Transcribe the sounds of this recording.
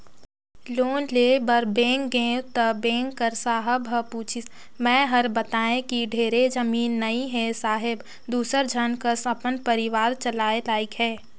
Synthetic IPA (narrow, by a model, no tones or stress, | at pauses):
loːnleːbəɾbẽːŋɡɡẽːwt̪əbẽːŋɡkəɾsaːɦəbəpuːt͡ʃʰi | mɛ̃ːɦəɾbət̪aːẽkiɖʱeːɾed͡ʒəmiːnːɐiɦɛsaːɦɪb | d̪uːsəɾd͡ʒʱənkəsɐpənpəɾɪʋaːɾt͡ʃəlaːelaːikɦɛː